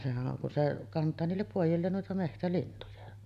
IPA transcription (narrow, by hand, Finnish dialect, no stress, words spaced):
sehæʔ ʔoŋ kun se kɑntˑɑː niːlːep poˑijˑilːeːn nuitɑ mehtælintujɑ